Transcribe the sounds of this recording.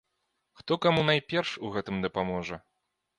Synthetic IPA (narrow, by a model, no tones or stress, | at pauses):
xt̪ɔkamunajpʲɛrʂuɣɛt̪ɨmd̪ɐpamɔʐɐ